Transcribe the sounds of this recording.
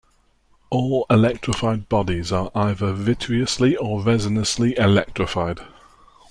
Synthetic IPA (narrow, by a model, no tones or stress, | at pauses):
ɔːlɪlɛk̚tʰɹ̥ɪfaɪd̚bɒdɪzəɹʔaɪðəvɪtʰɹiəsliəɹɛzənəsliʔɪlɛk̚tɹ̥ɪfaɪd̥